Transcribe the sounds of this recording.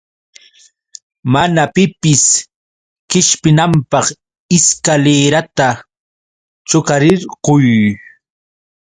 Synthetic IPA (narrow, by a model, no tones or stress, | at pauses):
manapɪpɪs | kɪʃpɪnampɑχ | ɪskaleːɾat̪a | t͡ʃʊkaɾɪɾqʊj